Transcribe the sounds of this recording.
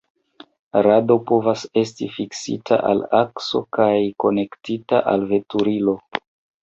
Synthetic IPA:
ɾado̞po̞vase̞stifiksḭtʰa̰ʔa̰lakso̞̰kajko̞ne̞ktita̰ʔa̰lve̞tuɾilo̞

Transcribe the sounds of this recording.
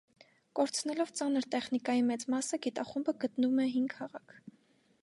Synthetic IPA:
kɔɾt͡sʰnɛlɔvt͡sɑnəɾt̪ɛχnikɑjimɛt͡smɑsəɡit̪ɑχumbəɡət̪numɛɦiŋɡhɑʁɑkʰ

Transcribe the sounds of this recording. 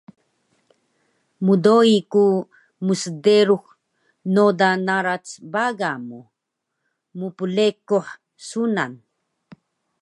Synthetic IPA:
mudoiku | musdeɾux | nod̪anaɾat͡sbaɡamu | mupulekoħ | suna̰n

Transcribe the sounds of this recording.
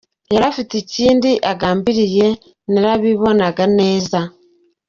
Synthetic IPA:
jeɾafiticiːndiʔaɡaːmbiɾije̞ | niɾaβiβo̞naɡane̞ːza

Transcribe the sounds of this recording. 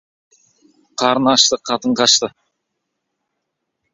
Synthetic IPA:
qʰɑɾənɑʃt̪əqʰɑt̪əɴqɑʃt̪ə

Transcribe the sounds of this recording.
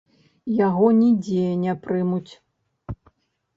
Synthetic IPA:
jaɣɔnʲid͡zʲejɛnʲɛpɾɨmut͡sʲ

